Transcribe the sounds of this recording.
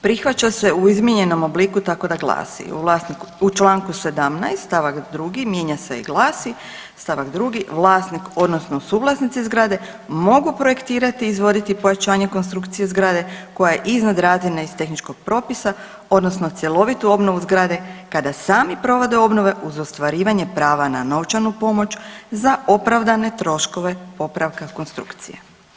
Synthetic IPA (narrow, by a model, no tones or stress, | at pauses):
pɾixʋat͡ʃase̞uizmʲjeɲe̞no̞mo̞blikut̪ako̞d̪aɡlˠa̰ːsḭṵʋlˠaːsnikut͡ʃlˠaːŋkuse̞d̪amna̰jst̪st̪aʋakd̪ɾuɡimje̞ːɲaseḭɡlˠaːsi | st̪aʋakd̪ɾuːɡiʋlˠaːsniko̞d̪nosnosuːʋlˠasnit̪sizɡɾaːd̪e̞ | mo̞ɡupɾo̞je̞kt̪iːɾat̪iːzʋo̞d̪it̪ipo̞jat͡ʃaːɲe̞ko̞nst̪ɾukt̪sije̞zɡɾaːd̪e̞ko̞jajeʔiznad̪ɾaːzinaist̪e̞xnit͡ʃko̞ɡ̥̚pɾo̞pisa | o̞d̪no̞sno̞t̪sʲje̞lˠo̞ʋit̪uo̞bno̞ʋuzɡɾaːd̪e̞kad̪asaːmipɾo̞ʋo̞d̪eo̞bno̞ʋe̞ʔuzost̪ʋaɾiːʋaɲepɾaːʋanano̞wt͡ʃanupo̞mo̞t͡ʃzaopɾaʋd̪ane̞t̪ɾo̞ʃko̞ʋe̞po̞pɾaʋkako̞nst̪ɾṵkt̪sḭjḛ